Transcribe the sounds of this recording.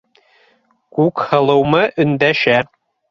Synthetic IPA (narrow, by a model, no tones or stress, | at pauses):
kukhɤ̆lˠɤ̆wmɤʔɵ̆nd̪æʃæ